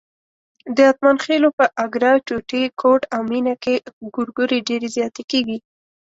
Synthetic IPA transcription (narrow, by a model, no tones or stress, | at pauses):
d̪əat̪̚manxelopəʔaɡɾɑt͡ʃoʈekʰoʈawminakeɡʊɾɡʊɾeɖeɾezjɑt̪ekeɡi